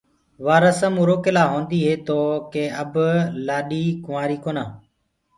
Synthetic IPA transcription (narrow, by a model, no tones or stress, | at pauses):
ʋaːɾəsəmuːɾoːkɪlaːɦõːnd̪iːɦeːt̪oːkeːəblaːɗiːkʊʋaːɾiːkoːnãː